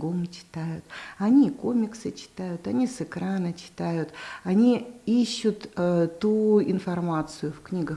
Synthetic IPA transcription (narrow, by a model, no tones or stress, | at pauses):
ɡomt͡ɕɪ̥t̪ajʊt̪ɐnʲikomʲɪksət͡ɕɪ̥t̪ajʊt̪ɐnʲisɨkɾanət͡ɕɪ̥t̪ajʊt̪ɐnʲiiɕːʊt̪ət̪uɪnfɐrmat̪sɨjʊfknʲiɡə